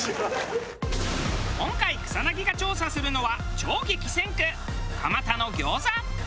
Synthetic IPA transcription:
kõ̞ŋkaikɯ̟̥sanaɡʲiɡat͡ɕo̞ːsasɨɾɯ̟no̞βa | t͡ɕoːɡʲikʲi̥sẽ̞ŋkɯ | kʰamat̪ano̞ɡʲo̞ːza

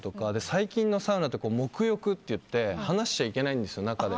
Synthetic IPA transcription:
t̪o̞kad̪e̞saikʲĩnːo̞saɯnat̪ːe̞ko̞ːmo̞kɯ̟jo̞kɯ̟t̪ːe̞jɯ̟t̪ːe̞hanaɕi̥t͡ɕaike̞naĩnd̪esɨjo̞nakad̪e̞

